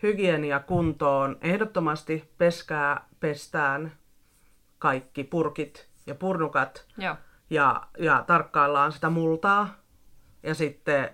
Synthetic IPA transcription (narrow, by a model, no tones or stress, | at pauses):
hyɡieniɑkunt̪oːnehdot̪ːomɑst̪ipeskæːpest̪æːn | kɑikːipurkit̪ | jɑpurnukɑt̪ | jɑ̰jɑt̪ɑrkːɑːlːɑːnsi̥t̪æmult̪ɑː | jɑsit̪ːe